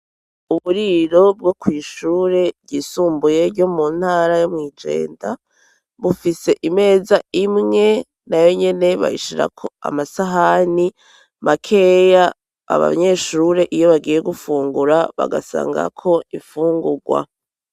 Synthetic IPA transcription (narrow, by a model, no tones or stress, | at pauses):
uβuɾiɾo̞b̚ɡo̞kwiːʃuːɾe̞bɟiːsuːmbuje̞ɾɟo̞mun̥haːɾajomŋiːd͡ʒe̞̰ːnda | βufise̞ʔime̞ːzaimŋe̞ | najo̞ɲe̞ne̞βa̰jḭʃiɾa̰kʰo̞a̰masaɦani | mʔakʰe̞ja̰ː | βa̰ɲe̞ːʃuɾe̞ʔijo̞βaɡiːje̞ɡufuːŋɡuɾaβa̰ɡa̰sa̰ːŋɡa̰kʰo̞ifuːŋɡuɡwa̰